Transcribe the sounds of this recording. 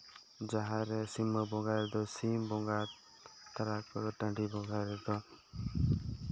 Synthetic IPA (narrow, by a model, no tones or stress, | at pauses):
d͡ʒaɦãɾesimːɔbɔŋɡaɾd̪ɔsimbɔŋɡaɾ | t̪aɾakːɔɾɔʈãɳɖibɔɡaɾed̪ɔ